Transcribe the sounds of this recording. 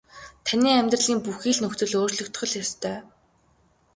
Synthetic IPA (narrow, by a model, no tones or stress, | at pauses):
t̪ʰaniːæmʲt̪rə̆ɮiːmpuxiːɮnɵxt̪ɵ̆ɮoːrɮɵ̆kt̪χə̆ɮjast̪ʰœː